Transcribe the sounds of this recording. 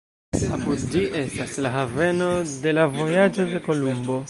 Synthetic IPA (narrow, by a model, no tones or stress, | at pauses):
apudd͡ʒiʔe̞staslaɦave̞no̞de̞lavo̞jad͡ʒo̞de̞ko̞lumbo̞